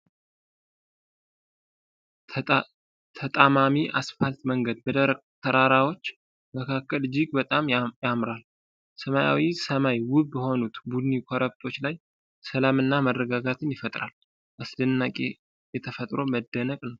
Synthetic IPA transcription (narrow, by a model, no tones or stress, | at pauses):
t̪ʰət̪ʼamamiʔasfalt̪məŋɡəd̪̚bəd̪əɾ | t̪ʰəɾaɾawo̞t͡ʃː | məkʰakːəld͡ʒɪɡbət̪ʼamjamɾal | səmaja̰wisəmajwʊbəho̞nut̪bud̪ɨnikʰoɾək̚t̪ʰo̞t͡ʃːlaj | səlamɨnːamərːəɡaɡat̪ʰɨnjɪfət̪ʼɾal | ʔasd̪ɨnːakʼe | jɛt̪ʰəfət̪ʼɾo̞məd̪ːənəkʼnəw